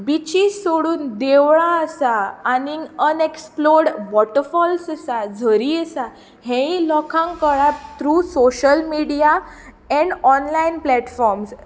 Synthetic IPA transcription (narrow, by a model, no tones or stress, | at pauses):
bit͡ɕissoɽuːnd̪eʋɭãəsaːniəneksploɾɖbɔʈəɾfɔlsəsad͡zʱəɾiəsa | hɛ̃ĩlɔkʰãŋkəɭap̚t̪ɾuːsoɕəlmiɽija | ɛɳɖɔnlainplɛʈfɔɾms